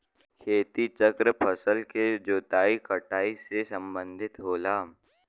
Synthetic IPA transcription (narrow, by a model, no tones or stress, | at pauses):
kʰeːt̪it͡ʃəkɾəpʰəsəlked͡ʒoːt̪aːikəʈaːisesɐ̃mbə̃nd̪ʱɪt̪ɦoːlaː